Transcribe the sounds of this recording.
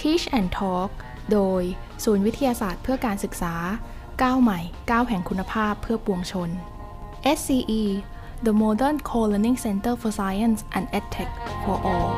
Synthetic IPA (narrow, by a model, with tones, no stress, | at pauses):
t̪ʰiː˦˥t͡ɕʔɛː˨˩nt̪ʰɔː˦˥k̚ | doː˧j | suː˩˦nwi˦˥t̪ʰa˧jaː˧saː˨˩t̪̚pʰɯ˥˩ɐkaː˧nsɯ˨˩k̚saː˩˦ | kaː˥˩wma˨˩jkaː˥˩wɦɛ˨˩ŋkʰu˧nːa˧pʰaː˥˩pʰːɯ˥˩ɐpu˧əŋt͡ɕʰo˧n | ʔe˦˥ssiː˧ʔiː˧ | d̪ə˧mɔː˧dɛ˥˩nkʰoː˧le˧ni˥ŋse˧nt̪ɤː˥˩fɔ˧saː˧ja˥˩nsʔɛː˨˩nʔɛ˦˥t̪ʰːɛ˨˩k̚fɔː˧ʔɔː˧l